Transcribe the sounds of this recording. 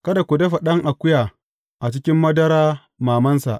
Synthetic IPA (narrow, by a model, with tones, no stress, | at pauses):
kɐ˦da˨kʷʊ˨dɐ˦ɸɐ˨ɗɐ˦ŋʔa˨kʷʊ˦jaː˨ | ʔa˨t͡ʃɪ˦kʲɪ˦mːɐ˦dɐ˦ɾaː˦ | maː˨mɐ˦nsa̰˨ʔ